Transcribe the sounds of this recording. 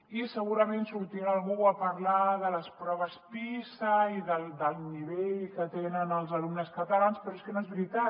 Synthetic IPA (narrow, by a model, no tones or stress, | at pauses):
isəɣuɾəmensuɾt̪iɾaːlˠɣuəpəɾlaðələspɾɔβəspisəiðəld̪əlˠniβeʎkət̪enənəlˠzəlumnəskət̪əlanspɾɔeskənoezβɾit̪a